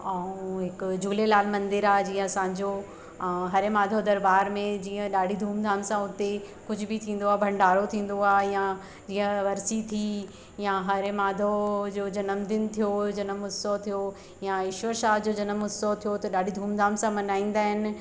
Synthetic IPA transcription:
aũɦɪkd͡ʑuːlelaːlmɐ̃nd̪ɪɾaːd͡ʑiːə̃ɐsãːɲd͡ʑo | ɦɐɾemaːd̪ʱod̪ɐɾbaːɾmẽd͡ʑiːə̃ɗaːɖʱid̪ʱuːmd̪ʱaːmsãʊt̪e | kʊd͡ʑʱʊbɪt̪ʰĩːn̆d̪oaːbʱɐ̃ɳɖaːɾot̪ʰĩːn̆d̪oaːjã | d͡ʑiːə̃ʋɐɾsit̪ʰi | jãɦɐɾemaːd̪ʱod͡ʑoːd͡ʑɐnəmd̪ɪnt̪ʰijod͡ʑɐnəmʊsot̪ʰijo | jãɪʃʋəɾʃaːɦd͡ʑod͡ʑɐnəmʊsot̪ʰijot̪ɐɗaːɖ̤ʱid̪ʱuːmd̪ʱaːmsãmɐnaːĩːn̆d̪aːɦɪnɪ̆

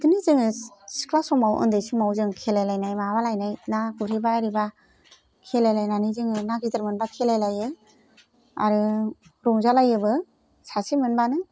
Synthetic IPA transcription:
dɯnizɯŋɯsi̥klasɔmawʔɯ̰ndejsimawzɯŋkʰelajlajnajmaβalajnajnakuɾibaɾiba | kʰelajlajnanizɯŋɯnaɡ̚zit̪ɯɾmɯnbakʰelajlajɯ | a̰ɾɯɾɔŋzalajɯbɯ | sasimɯnbanɯ

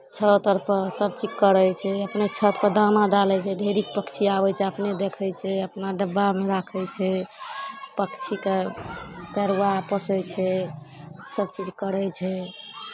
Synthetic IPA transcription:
t͡ʃʰət̪əɾpʰəsəb̚t͡ʃid͡ʒkəɾəjt͡ʃʰɛəpnet͡ʃʰət̪kəd̪anaɖalɛt͡ʃʰɛd̪ʱeɾik̚pəkt͡ʃʰiabɛt͡ʃʰɛəpned̪ekʰɛjt͡ʃʰɛəpnaɖəbːameɾakʰɛt͡ʃʰɛ | pəkt͡ʃʰike | pɛɾwapəsəjt͡ʃʰɛ | səbt͡ʃid͡ʒkəɾəjt͡ʃʰɛ

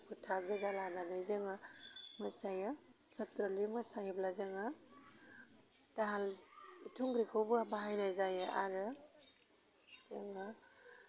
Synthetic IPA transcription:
pʰutʰaɡɯzalananajzeŋamɯsajɯ | satɾɔlimɯsajblazeŋa | daɦalitʰuŋɡɾikʰɯwbɯabaɦajnajzajea̰ɾɯ | zeŋa

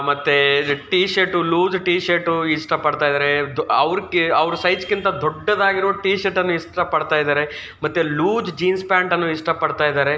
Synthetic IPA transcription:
mɐt̪ːeʈiːʃeɾʈuluːd͡ʒʈiːʃeɾʈuiʂʈɐpɐɖt̪aːjd̪aːɾed̪ɐʋɾkeɐʋɾɐsɐjt͡ʃkint̪ɐd̪ɔɖːɐd̪aːɡiɾoːʈiːʃɐʈɐnːuiʂʈɐpɐɽt̪aːjd̪aːɾe̞ | mɐt̪ːeluːd͡ʒd͡ʒiːnspaːɳʈɐnːuiʂʈɐpɐɽt̪aːjd̪aːɾe̞

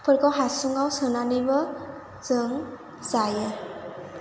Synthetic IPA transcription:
pʰɯɾkawɦasuŋawsɯnanibʌ | zɯŋ | zajɯ

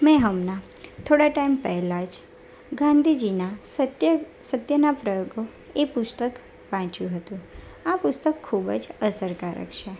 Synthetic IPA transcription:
mɛ̃ɦəmna | t̪ʰoɽaʈaimpəɦlad͡ʒ | ɡãnd̪ʱid͡ʒinasəj | sət̪jənapɾəjoɡo | epʊst̪ək | ʋãt͡ʃjũɦət̪ũapʊst̪əkʰːubd͡ʒəsəɾkaɾə̰kʃʰe

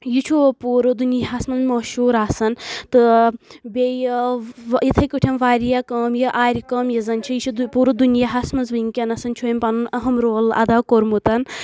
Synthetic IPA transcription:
jit͡ʃʰupuːɾɨd̪unjaɦasmɐnzmɐːʃuːɾaːsɐnt̪ɨbʲej | it̪ʰɐkɨʈʲʰɐnʋaːɾijakɐːmjiʔaːɾʲikɐːmjɐzɐnt͡ʃʰijit͡ʃʰud̪puːɾɨd̪unjaɦasmɐnzʋɐiŋkʲɐnɐsɐnt͡ʃʰuimpɐnunɐɦɐmɾoːlɐ̰d̪aːkoɾmut̪ɐn

